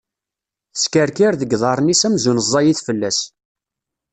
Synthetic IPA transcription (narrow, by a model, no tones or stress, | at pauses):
θəskəɾkiɾðəɡðˤɑɾˤnisæmzunəzˤːɑjiθfəlːæs